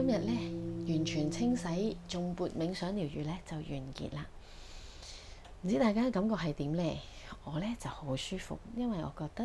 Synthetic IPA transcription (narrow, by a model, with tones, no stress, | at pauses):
kɐ˥mjɐ˨t̚lɛː˥jyː˨˩nt͡ʃʰyː˨˩nt͡sʰɪ˥ŋsɐ˨˥jt͡ʃʊ˨ŋpuː˧t̚mɪ˨˧ŋsœː˨˥ŋliː˨˩wjyː˨lɛː˥t͡sɐ˨wjyː˨˩nkḭ˨t̚laː˧ | m̩˨˩t͡siː˨˥t̪aː˨jkaː˥kɐ˨˥mkɔː˧k̚hɐ˨jt̪iː˨˥mlɛː˧ | ɔː˨˧lɛː˥t͡sɐ˨who˨˥wsyː˥fʊ̰˨k̚jɐ˥nwɐ˨jʔɔː˨˧kɔː˧k̚t̪ɐ˥